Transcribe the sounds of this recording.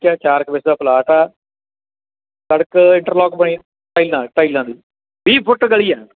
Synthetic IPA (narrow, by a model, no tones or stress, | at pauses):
kɛːt͡ʃaːɾkbɪsd̪aːplaːʈaː | səɽəkɪ̃ɳʈəɾlɔːkbəɽĩː | ʈaːiːlãːʈaːiːlãːd̪ḭː | biːpʰʊʈɡəɭiːɛː